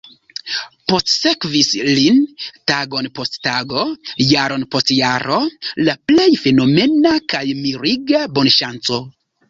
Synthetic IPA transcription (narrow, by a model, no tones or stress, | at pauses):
po̞stse̞kvislintaɡo̞npo̞sttaɡo̞jaɾo̞npo̞stjaɾo̞laple̞jfe̞no̞me̞nakajmiɾiɡabo̞nʃant͡so̞